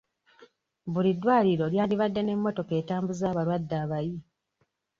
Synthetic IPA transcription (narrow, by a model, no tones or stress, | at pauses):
βulidːwaːliɾo̞ljaːndiβadːe̞ne̞mːo̞to̞ke̞ːtaːmbuzaːβalwadːaːβaji